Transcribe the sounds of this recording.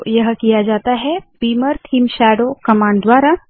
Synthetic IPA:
jɐɦkijad͡ʒaːt̪aɦɛpiːməɾt̪ʰiːmʃɛːɖokɐmãːɳɖd̪waːɾa

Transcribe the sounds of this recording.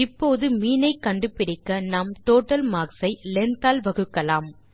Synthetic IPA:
ɪpːoːðɯmiːnɐɪkːɐɳɖɯpɪɽɪkːɐnɐmʈoːʈːɐlmaːksɐɪlɛnt̪aːlʋɐɣɯkːɐlaːm

